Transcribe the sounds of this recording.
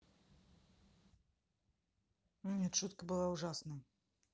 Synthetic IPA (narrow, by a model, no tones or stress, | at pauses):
mnʲɛt͡ʂut̪kɐbɨlˠauʐasnɐj